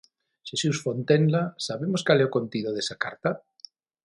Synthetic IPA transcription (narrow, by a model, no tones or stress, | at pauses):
ʃesusfont̪enlasaβemoskaleokont̪iðoðesakaɾt̪a